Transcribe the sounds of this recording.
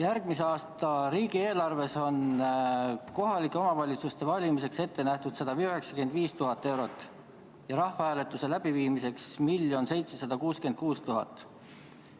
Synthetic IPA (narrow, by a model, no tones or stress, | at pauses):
jærɡ̥̚miseɑːst̪ɑɾiːɡ̥ie̞ːlɑrve̞so̞n | ko̞ɦɑlikːˑe̞o̞mɑvɑlʲit̪sust̪e̞vɑlʲimise̞kse̞t̪ːe̞næht̪ud̪̥sɑd̪̥ɑiøɦeksɑ̥ke̞nd̪viːst̪uɦɑt̪ˑːe̞wɾo̞t̪ːˑ | jɑɾɑhvɑhæːle̞t̪ːˑuse̞læb̥iviːmise̞ksmiljo̞nse̞jt̪se̞sɑd̪ɑkuːske̞nd̪̥̚kuːst̪uɦɑ̰t̪ːˑ